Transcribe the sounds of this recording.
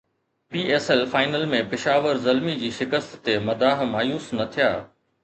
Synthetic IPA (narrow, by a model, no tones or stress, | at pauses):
piːʔɛːsɛlfaːɪnəlmẽpɪʃaːʋəɾzɐlmid͡ʑiːʃɪkəst̪ːemɐd̪aːɦmaːjuːsnɐt̪ʰija̰ː